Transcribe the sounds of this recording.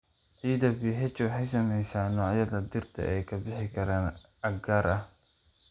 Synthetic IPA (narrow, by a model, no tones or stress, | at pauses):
ʕiːðɐbiːɦɛt͡ʃɔħɛjsɐmɛjsaːnɔːjɐðɐd̪ɪrt̪ʰɐ̰ʔɛjkʰɐbɪħɪkʰɐɾaːn | ɐɡaːɾɐh